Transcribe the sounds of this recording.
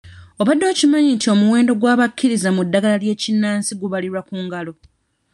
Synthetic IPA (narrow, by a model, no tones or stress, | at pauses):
o̞βadːo̞ːcimaɲintio̞muwe̞ːndo̞ɡwaːβakːiɾizamudːaɡalalje̞ːcinːaːnsiɡuβaliɾwakuːŋɡalo̞